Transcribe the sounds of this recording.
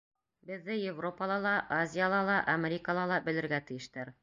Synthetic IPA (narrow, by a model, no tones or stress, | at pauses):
bɘ̆ðːɘjevro̞pəlˠɑlˠɑʔazʲijalˠɑlˠɑʔɐmʲeɾʲikəlˠɑlˠɑbɘ̆lɘ̆ɾɡæt̪ɘ̆jɘ̆ʃt̪æɾ